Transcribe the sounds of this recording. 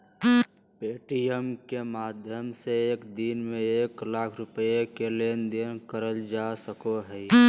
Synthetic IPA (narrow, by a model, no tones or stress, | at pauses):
peːʈijəmkemaːd̪ʱjəmseeːkd̪inmẽeːklaːkʰɾʊpəekelend̪enkəɾəld͡ʒasəkoɦɛi